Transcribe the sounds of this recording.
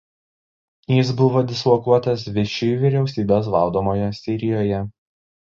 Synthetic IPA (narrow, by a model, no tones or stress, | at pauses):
jɪsbʊʋoːd̪ʲɪslˠɔkuɔt̪ɐs̬ʋʲɪʃʲɪjuːʋʲiɾʲɛʊsʲiːbʲeːs̬ʋɐlˠd̪oːmoːjɔsʲɪɾʲɪjoːjɛ